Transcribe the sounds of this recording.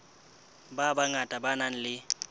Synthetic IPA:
babaŋatʼabanaŋ̩lɪ

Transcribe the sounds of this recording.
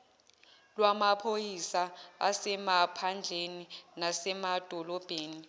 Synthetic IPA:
lwamapʰojisaa̰sɛmapʰand͡ɮʱeninasɛmad̥ʱɔlɔb̥ʱeːni

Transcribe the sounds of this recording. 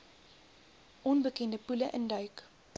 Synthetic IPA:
ʔɔnbəkɛndəpuləʔəndɐɥk

